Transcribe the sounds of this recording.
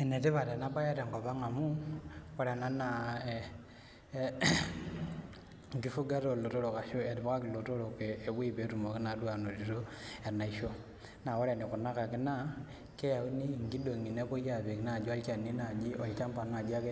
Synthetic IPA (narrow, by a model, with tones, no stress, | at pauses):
e˨ne˨ti˦βa˨te˨na˦pa˦ja˦ɾe˨ŋɡɔ˨βa˦ŋa˨mu˦ɔ˦ɾa˨na˦na˨ | ŋɡi˦fu˦ɡa˦ɾo˨lo˨to˦ɾo˨ka˨ʃo˦e˨ti˨βa˦ka˦ki˨lo˨to˦ɾo˨keː˨wwi˦βe˨˦tu˨mo˨ki˦na˨˦dwa˨no˨ti˨ɾo˦e˨na˨i˦ʃo˦ | na˨wo˦ɾa˨ni˨ku˨na˦ka˨ki˦na˦ | ke˦ja˨u˦ni˦˨ŋɡi˦do˨ŋi˨ne˦βo˦ja˨βe˨ki˨na˦˨d͡ʒa˦lt͡ʃa˨ni˦na˨d͡ʒi˦ʔo˨i˨t͡ʃa˦mpa˨n˦˨a˨d͡ʒa˦ke˦